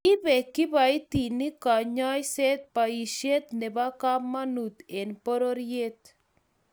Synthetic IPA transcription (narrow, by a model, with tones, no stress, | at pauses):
ki˦βɛ˨ki˦βa˨i˦t̪i˨ni˦ka˨ɲa˦jse˦t̪̚pa˨i˨ʃje˦t̪nɛ˨βa˦ka˦ma˦nu˨t̪e˨npo˦ɾo˦ɾje˦t̪̚